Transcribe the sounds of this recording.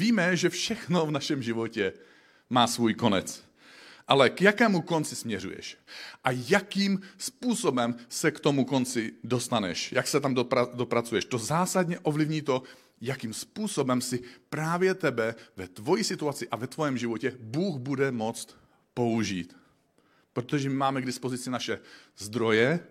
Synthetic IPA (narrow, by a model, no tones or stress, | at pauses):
viːmɛʒɛfʃɛxnovnaʃɛmʒɪvo̞cɛ | maːsvuːjko̞nɛ̰t͡s | ʔalɛkjakɛːmuko̞nt͡sɪsmɲɛrṵjɛ̰ʃʔajakiːmspuːso̞bɛmsɛkt̪o̞muko̞nt͡sɪdo̞st̪anɛ̰ʃjaksɛt̪amdoadopɾat͡sujɛʃt̪o̞zaːsad̪ɲɛʔovlivɲiːt̪o̞ | jakiːmspuːso̞bɛmsɪpɾaːvjɛt̪ɛbɛvɛt̪vo̞jisɪt̪uat͡sɪʔavɛt̪vo̞jɛmʒivocɛbuːɣbudɛmo̞t͡st̪ | po̞uʒiːt̪ | pɾot̪oʒɛmɪmaːmɛɡdɪspo̞zɪt͡sɪnaʃɛzd̪ɾo̞jɛ